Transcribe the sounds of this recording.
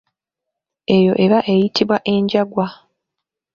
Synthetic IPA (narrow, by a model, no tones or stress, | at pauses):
e̞jo̞ʔe̞βaʔe̞jitʰiβwaʔe̞ːɲɟaɡwa